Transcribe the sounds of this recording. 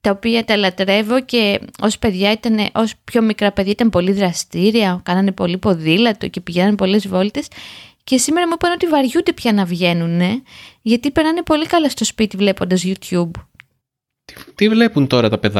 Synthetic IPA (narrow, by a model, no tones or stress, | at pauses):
t̪ɐopiɐt̪ɐlɐt̪ɾe̞vo̞ce̞o̞spe̞ðʝɐit̪ɐneʔo̞spço̞mikɾɐpe̞ðʝɐit̪ɐnpo̞liðɾɐst̪iɾiɐkɐnɐne̞po̞lipo̞ðilɐt̪o̞ce̞piʝenɐnepo̞le̞zvo̞lt̪e̞sce̞sime̞ɾɐmuipɐno̞t̪ivɐɾʝund̪e̞pçɐnɐvʝe̞nune̞ʝɐt̪ipe̞ɾɐne̞po̞likɐlɐst̪o̞spit̪ivle̞po̞nd̪ɐzʝut̪çub̪ | t̪ivle̞punt̪o̞ɾɐt̪ɐpe̞ðɐ